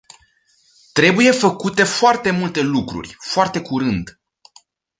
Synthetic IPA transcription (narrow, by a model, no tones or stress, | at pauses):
t̪ɾe̞buje̞fəkut̪e̞foart̪e̞mult̪e̞lukɾṵrʲfoart̪e̞kuɾɨnd̪